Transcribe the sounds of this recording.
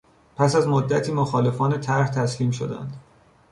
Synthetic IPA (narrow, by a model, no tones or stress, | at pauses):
pʰæsæzmod̪ːæt̪ʰiːmoxɒːle̞fɒːne̞t̪ʰæɾht̪ʰæsliːmʃod̪æ̰nd̪